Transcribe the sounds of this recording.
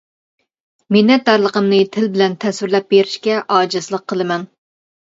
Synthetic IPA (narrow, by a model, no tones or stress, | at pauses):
menɛt̪̚d̪ɑɾlˠəqʰəmnɨt̪ʰɪlbɪlɛnt̪ʰɛsyɾlɛp̚beɾɪʃkʲɛʔɑːd͡ʒɨslˠəqʰːəlˠɨmɛn